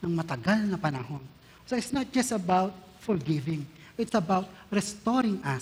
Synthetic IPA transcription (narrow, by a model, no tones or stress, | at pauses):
nɐŋmɐt̪ɐɡalnɐpɐnɐhon | soɪt̪snɐt̪̚d͡ʒɐstɐbawt̪̚ | fɔɹɡɪvɪ̃ŋ | ɪt̪sɐbawt̪̚ɹɛst̪oɾɪŋʔɐ